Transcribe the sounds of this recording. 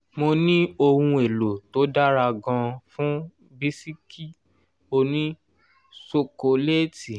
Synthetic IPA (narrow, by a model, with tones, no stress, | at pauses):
mo˧nĩ˦o˧hũ˧e˨lo˨to˨˦da˦ɾa˧ɡɔ̃˧fũ˦ | bi˦si˦kʰi˦ | o˧nĩ˦ | so˦ko˧le˦ti˨